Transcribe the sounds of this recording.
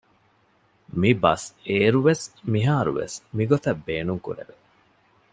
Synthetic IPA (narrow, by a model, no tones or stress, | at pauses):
mibɐ̰seːɾuʋesmiɦaːɾṵʋḛsmiɡot̪ɐbːeːnuŋkṵɾḛʋe